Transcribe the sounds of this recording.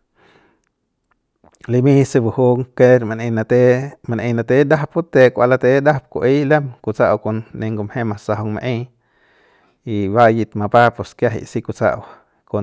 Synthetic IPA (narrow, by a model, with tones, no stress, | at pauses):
li˧mi˦sɨ˧bu˧hu˦ŋke˦ɾma˧ne˧nat̪ema˧nʔe˧na˧t̪e˦d̪a˦hpu˦t̪e˧kʷa˧la˧t̪e˦d̪a˦p̚kʷṵ˧ʔi˦le˦mku˨t͡saʔwko˧nːe˧ŋɡo˧mhe˦masaɦo˧ŋma̰˧ʔe˦j | iba˦ji˧t̪ma˧pa˦poskja˦ɦḭʔsi˧kut͡sa̰˦ʔw | ko